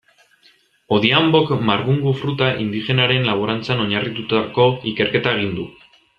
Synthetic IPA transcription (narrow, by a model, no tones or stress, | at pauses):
o̞ðiambo̞kmaɾɣuŋɡufɾut̪aʔḭnd̪ixe̞naɾe̞nlaβoɾant͡sano̞ɲarit̪ut̪ako̞ike̞ɾke̞t̪ae̞ɣ̞ind̪u